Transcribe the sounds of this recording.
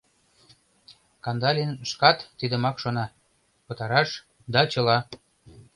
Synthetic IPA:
kɑnd̪ɑlʲinʃkɑt̪ːid̪ə̆mɑkʃonɑ | pə̆t̪ɑɾɑʃ | d̪ɑt͡ɕɤ̆lɑ

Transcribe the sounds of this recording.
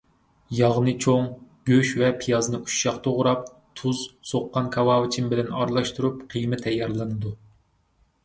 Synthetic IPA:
jɑʁnɨt͡ʃʰoŋɡ̥ʲøʃvɛpʰijɑznɨʔuʃːɑχt̪ʰoʁʊɾɑp̚ | t̪ʰuzsoqːɑnkʰɑwɑːwɪt͡ʃʰimbɪlɛnɑ̰ɾlˠɑʃt̪uɾupqʰijmɪt̪ʰɛjːɑɾlˠɨnɨd̪u

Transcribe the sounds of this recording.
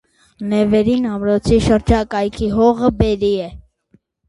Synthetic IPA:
nɛvɛɾinɑmɾɔt͡sʰiʃəɾd͡ʒɑkɑjkʰiɦɔʁəbɛɾiɛ

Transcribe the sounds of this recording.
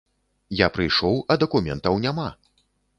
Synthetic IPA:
japɾɨjʂɔwɐd̪ɐkumʲɛ̰nt̪ɐwnʲama

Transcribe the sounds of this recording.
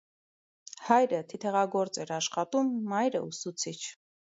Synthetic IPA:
hɑjɾət̪ʰit̪ʰɛʁɑɡɔɾt͡sɛɾɑʃχɑt̪umːɑjɾə̰usut͡sʰit͡ʃʰ

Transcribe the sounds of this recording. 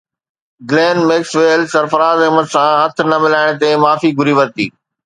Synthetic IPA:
ɡleːnmeːksʋeːlsɐɾfəɾaːzɐɦməd̪sãːɦɐt̪ʰnɐmɪlaːɪɽ̃t̪emaːfiɡʱʊɾiʋəɾt̪ḭː

